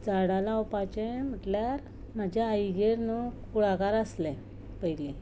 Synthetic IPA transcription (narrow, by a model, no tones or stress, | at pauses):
d͡zaɽalawpat͡ɕem̤əʈljaɾ | mad͡ʑʱaːjɡeɾnukuɽakaɾəslɛ̃ | pəjle